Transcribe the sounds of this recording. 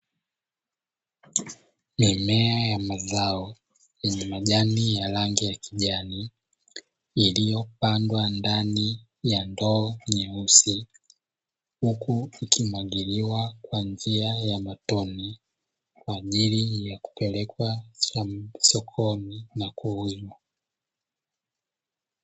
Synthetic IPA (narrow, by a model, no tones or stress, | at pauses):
mimɛajamazaɔ | jɛɲɛmaʄanijalaŋɡijakiʄani | lijɔpandwandani | jandɔːɲɛusi | hukuikʰimaɠiɾiwakwand͡ʒiajamatɔni | kwaːʄilijaku̥pɛlɛkwa | sɔkʰɔninakuwima